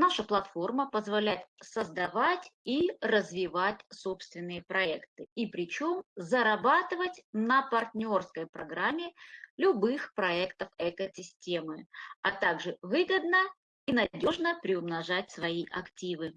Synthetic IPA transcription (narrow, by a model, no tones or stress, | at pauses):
naʂəplˠɐt̪fo̞rməpəzvɐlʲæjɪt̪̚səzd̪ɐvatʲirəzvʲɪvatʲso̞pst̪vʲɪnːɨjəpɾɐɛkt̪ɨipɾʲɪt͡ɕo̞mzəɾɐbat̪ɨvətʲnəpɐrtʲnʲo̞rskəjpɾɐɡɾamʲːɪlʲʊbɨxpɾɐɛkt̪əfɛkəsʲɪsʲtʲe̞mɨɐt̪aɡʐɨvɨɡəd̪nə | inɐdʲo̞ʐnəpɾʲɪʊmnɐʐatʲsvɐiʔɐktʲivɨ